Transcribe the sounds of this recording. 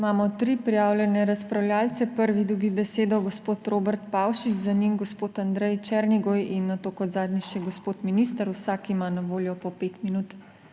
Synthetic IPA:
imaːmɔt̪ɾipɾijaːwlʲjɛnɛɾaspɾawljaːlt̪sɛpəɾʋid̪ɔbibɛseːd̪ɔɡɔspoːt̪ɾoːbɛɾt̪pawʃit͡ʃzanimɡɔspoːt̪and̪ɾɛjt͡ʃɛɾniɡojinːat̪oːkɔt̪zaːd̪nʲiʃɛɡospoːt̪miniːst̪əɾusakimanaʋoːljɔpɔpeːt̪minut̪

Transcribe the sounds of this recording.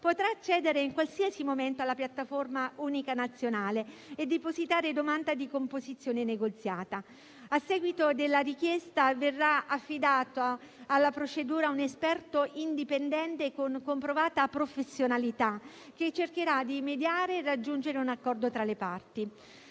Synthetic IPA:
pot̪ɾaːt͡ʃːɛːd̪eɾeiŋkwalsiasimoment̪oalːapjat̪ːaformauːnikanat̪sːjonaːleed̪ːipozit̪aːɾed̪omand̪ad̪ikompozit̪sːjoːneneɡot̪sːjaːt̪a | asːɛːɡwit̪od̪elːaɾik̟jest̪averːaafːid̪aːt̪o | alːapɾot͡ʃed̪uːɾaunespɛrt̪oind̪ipend̪ɛnt̪ekoŋkompɾovaːt̪apɾofesːjonalit̪a | ket͡ʃːerk̟eɾad̪imed̪jaːɾeːrad͡ʒːund͡ʒeɾeunakːɔrd̪ot̪ɾalepart̪i

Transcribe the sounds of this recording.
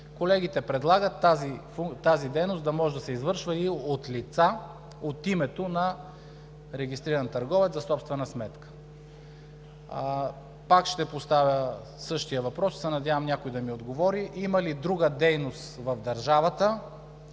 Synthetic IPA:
kolɛɡʲit̪ɛpɾɛd̪lˠaɡət̪ːazifut̪azid̪ɛjnosd̪ɐmɔʒɛd̪ɐsɛizvɤɾʃvəiot̪lit̪sa | ot̪imɛt̪onɐ | ɾɛɡʲist̪ɾiɾɐnt̪ɐɾɡɔvɛt̪ɐsɔpst̪vɛnɐsmɛt̪kə̥ | pakʃt̪ɛpost̪avʲə | sɤʃt̪ijəvɐpɾɔssɛnɐd̪ʲavɐmnʲakoid̪ɐmiod̪ɡovɔɾiʔimɐlid̪ɾuɡəd̪ɛjnost̪vɐvd̪ɐɾʒavət̪ə

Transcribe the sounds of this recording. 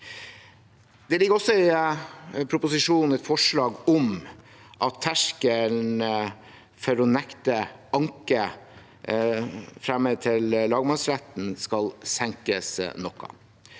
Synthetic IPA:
d̪̥ɛlɪɡːəɾɔsːɔɪ | pʰɾʊpʊsɪʂuːnn̩ɛt̪fɔʂɭɑːɡɔm | ʔɑt̪ʰːæʂkəl | fɔɾɔnɛkt̪əɑŋkə | fɾæmːət̪ʰɪllɑːɡmɑsɾæt̪n̩skɑlsɛŋkəsnɔkːɑ̰

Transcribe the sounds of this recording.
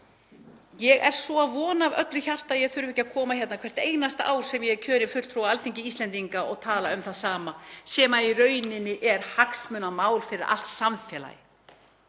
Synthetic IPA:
jɛɣɛɾ̥svɔaðvɔːnavœ̰t̪ɾɪçar̥t̪aðjɛɣθʏɾʏvɪhcːakʰɔːmahçɛt̪nakʰvɛr̥t̪eːjnast̪a̰ːwɾ̥sɛmjɛcʰœːɾɪ̥fʏl̥t̪ʰɾuwaalfiɲcɪiːst̪ɛnt̪iŋkaɔɣt̪ʰaːlaʏmθaðsaːmasɛːmaiɾœːɥnɪnːɪʔɛɾ̥haksmʏnamaːwlfɪɾɪɾa̰l̥t̪samfɛːla̰jɪ̰

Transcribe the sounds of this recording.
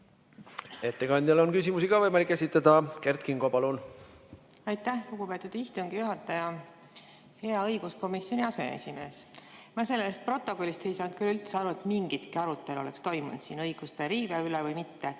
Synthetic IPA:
e̞t̪ːe̞kɑnʲd̪jɑlonkys̬ʲimusiɡ̥ɑvɤjmɑlikˑːesʲit̪ːˑɑd̪̥ɑkert̪kiŋɡ̥opɑlun | ɑjt̪ːˑæhloɡ̥upe̞t̪ud̪̥ist̪uŋɡ̥ijuɦɑt̪ːˑɑjɑ | he̞ɑɤjɡ̥usko̞misjo̞nʲiɑse̞̰ḛsʲime̞ːsmɑse̞lːest̪̚pro̞t̪ːˑo̞ko̞lːist̪e̞jsɑːnt̪̚kylylt̪seɑɾuet̪miŋɡit̪kiɑɾut̪ːˑe̞lo̞̰le̞kst̪o̞jmṵn̰d̪̥siːnɤjɡ̥ust̪eɾiːveylevɤjmit̪ːe

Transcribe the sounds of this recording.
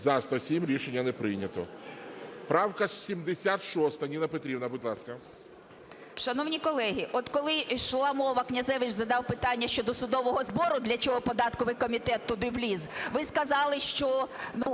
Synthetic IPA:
zɑst̪ɐsʲimɾʲiʃenʲːɐnepɾɪjnʲɐt̪ɔ̰ | pɾɑwkɐsʲimd̪esʲat̪ʃɔst̪ɐnʲinɐpet̪ɾʲibnɐbʊdʲlˠɑskɐ | ʃɐnɔwnʲikɔlˠɛɦiʔɔt̪kɔlˠɪʃlˠɑmɔʋɐknʲɐzɛʋɪt͡ʃzɐd̪ɑwpɪt̪ɑnʲːɐʃt͡ʃɔd̪ɔsʊd̪ɔʋɔɦɔzbɔɾʊd̪lʲɐt͡ʃɔɦɔpɔd̪ɑt̪kɔʋɪjkɔmʲit̪ɛt̪ːʊd̪ɪʋlʲizʋɪskɐzɑlˠɪʃt͡ʃɔnu

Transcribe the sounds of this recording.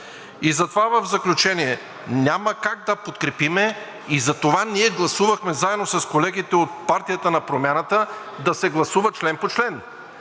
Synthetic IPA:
izɐt̪ovavəvzɐklʲut͡ʃɛniɛ | nʲaməkaɡ̚d̪ɐpot̪kɾɛpimɛ | izɐt̪ovaniɛɡlˠɐsuvɐxmɛzaɛd̪nosɐskolɛɡit̪ɛot̪̚paɾt̪ijət̪ənɐpɾomʲjanət̪ə | d̪ɐsɛɡlˠɐsuvɐt͡ʃlɛnpot͡ʃlɛn

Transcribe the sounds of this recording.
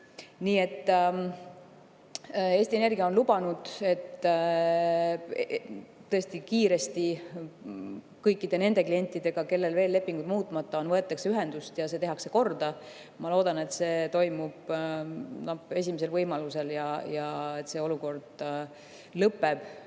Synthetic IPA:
niːe̞t̪ːˑ | e̞ːsʲt̪ie̞ne̞rɡiɑo̞nlub̥ɑnud̪̥e̞t̪ː | t̪ːɤ̞est̪ikiːɾe̞st̪i | kɤjkːˑid̪̥e̞ne̞nd̪e̞klije̞nʲt̪ːˑid̪̥e̞ɡ̥ɑke̞lːe̞lve̞ːlːe̞pːiŋɡud̪̥muːt̪ːˑmɑt̪ːˑɑo̞nvɤet̪ːˑɑkseyɦe̞nd̪ust̪jɑse̞t̪e̞ɦɑkse̞ko̞rd̪ɑ | mɑlo̞ːd̪ɑne̞t̪se̞ːt̪o̞jmub̥ | nɑbe̞s̬ʲimese̞lvɤjmɑluse̞ljɑjɑet̪se̞ːo̞luko̞rd̪̥ | lɤpːˑe̞b̥

